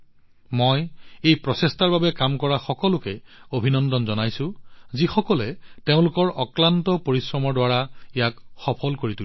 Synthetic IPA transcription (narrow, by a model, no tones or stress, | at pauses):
mojejpɹɔsestaɹbabɛkamkɔɹaxɔkɔlʊkɛobʱinɔndɔnzɔnajsʊ̃zixɔkɔlɛteʊ̃lʊkɔɹɔklantɔpoɹisɹɔmɔɹdwaɹaɛjakxɔpʰɔlkoɹitu